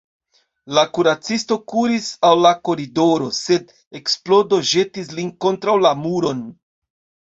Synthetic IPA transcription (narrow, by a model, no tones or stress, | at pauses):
lakuɾat͡sisto̞kuɾisawlako̞ɾido̞ɾo̞se̞d | e̞ksplo̞do̞ʒe̞tis̬linko̞ntɾawlamuɾo̞n